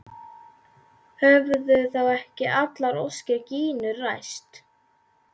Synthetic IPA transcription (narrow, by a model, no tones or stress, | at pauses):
hœvʏðʏθawɛhcɪʔat̪laɾɔwscaciːnʏɾrajst̪